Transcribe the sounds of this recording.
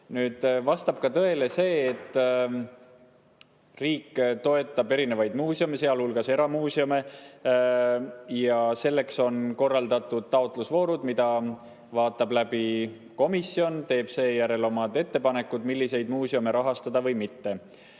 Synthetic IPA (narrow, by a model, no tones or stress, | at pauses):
nyːd̪̥vɑst̪ɑb̥̚kɑt̪ɤe̞le̞se̞ːt̪ːˑ | riːkːˑt̪o̞e̞t̪ːˑɑbe̞ɾine̞vɑjd̪muːsiome̞se̞ɑlhulɡ̥ɑse̞ɾɑmuːsiome̞ | jɑse̞lːe̞kso̞nko̞rːɑld̪̥ɑt̪ːˑud̪̥̚t̪ɑot̪ˑlusvo̞ːɾud̪mid̪̥ɑ | vɑːt̪ːˑɑblæb̥i | ko̞misio̞nt̪e̞ːb̥se̞ːjæɾe̞lo̞mɑd̪e̞t̪ːe̞pɑne̞kːˑud̪̥milːise̞jd̪muːsiome̞ɾɑɦɑst̪ɑd̪ɑvɤjmit̪ːe̞